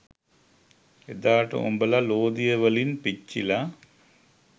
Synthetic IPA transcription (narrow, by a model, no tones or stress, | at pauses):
ed̪aːʈɐ̰o̰mbɐlɐloːd̪ijɐʋɐlinpit͡ʃːilɐ